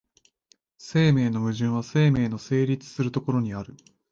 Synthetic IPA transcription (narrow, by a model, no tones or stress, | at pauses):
se̞ːme̞ːno̞mɯ̟ʑɨ̃ɰ̃βase̞ːme̞ːno̞se̞ːɾʲit͡sɨ̥sɨɾɯ̟t̪o̞ko̞ɾo̞ɲ̟iaɾɯ̟